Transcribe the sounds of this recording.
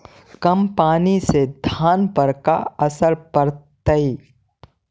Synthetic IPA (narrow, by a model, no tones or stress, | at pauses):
kɐmpaːnised̪ʱaːnpəɾka̰ɐsəɾpɐɾt̪əi